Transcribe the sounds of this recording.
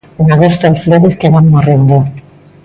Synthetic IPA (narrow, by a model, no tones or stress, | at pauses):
unaɣost̪olfloɾeskeβammorend̪o